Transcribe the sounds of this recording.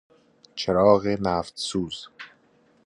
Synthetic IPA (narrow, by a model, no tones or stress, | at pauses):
t͡ʃʰeɾɒːɣenæːft̪suːz